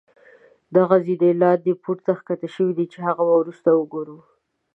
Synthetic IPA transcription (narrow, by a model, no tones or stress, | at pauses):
d̪aɣazid̪elɑt̪̚ːepʰuɾt̪axkat̪aʃəwid̪it͡ʃehaɣabawɾust̪awəɡoɾu